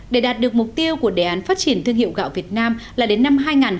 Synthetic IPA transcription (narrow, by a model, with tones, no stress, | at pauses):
ɗe˧˩ɗaː˨˩t̚ɗɨ˨˩ək̚mʊ˨˩k͡p̚t̪i˧əwku˧˩əɗe˨˩ʔaː˨˦nfaː˦˥t̚t͡ɕi˧˩ənt̪ɨ˧əŋhḭ˧˨əwɣa̰ː˧˨wvi˨˩ət̚naː˧mlaː˨˩ɗe˨˦nːa˧mɦaː˧jŋaː˨˩n